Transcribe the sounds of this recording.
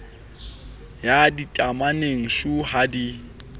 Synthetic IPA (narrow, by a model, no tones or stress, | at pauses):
jaditʼamaneŋ̩ʃuhadi